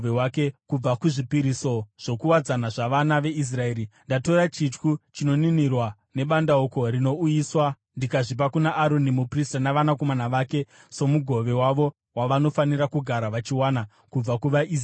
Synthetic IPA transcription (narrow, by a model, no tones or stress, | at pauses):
ʋewakekub͡vakuʐipiɾiso̞ʐ̥o̞kuwad͡zanaʐaʋanaʋe̞is̬rae̞ːɾindato̞ɾat͡ʃit͡ʃkut͡ʃino̞ninirwa | ne̞ɓandaoko̞ɾino̞ujiswa | ndikaʐip̬akunaʔːɾo̞nimupristanaʋanako̞manaʋake̞ | so̞muɡʱo̞ʋe̞waʋo̞ | waʋano̞faniɾakuɡʱaɾaʋat͡ʃiwana | kub͡vakuʋaʔi